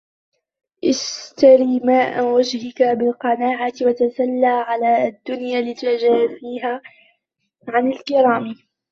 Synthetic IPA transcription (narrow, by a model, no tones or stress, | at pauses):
ʔɪst̪aɾiːmaːʔa̰wad͡ʒhɪkabɪlqɑnaːʕat̪wat̪asalːaːʕalaːʔad̪ːʊnjaːlɪt̪ad͡ʒaːziːɦaː | ʕanɪlkɪɾaːm